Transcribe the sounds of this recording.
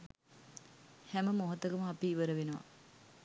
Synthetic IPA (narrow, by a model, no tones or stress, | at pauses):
hæməmoɦɐt̪əkəməapiːʋəɾəʋenəʋa̰